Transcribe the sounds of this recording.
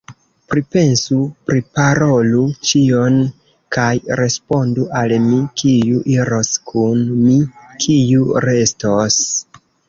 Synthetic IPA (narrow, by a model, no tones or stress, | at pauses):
pɾipe̞nsupɾipaɾo̞lut͡ʃio̞n | kajɾe̞spo̞nduʔalmikijuʔiɾo̞skʰunmikʰijuɾe̞stos